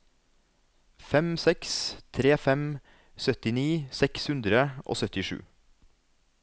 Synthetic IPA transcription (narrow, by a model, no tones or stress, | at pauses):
fɛmsɛkst̪ʰɾeːfɛm | sœt̪ɪniːsɛkshʉnd̪ɾəʔo̰ːsœt̪ɪʃʉ̰ː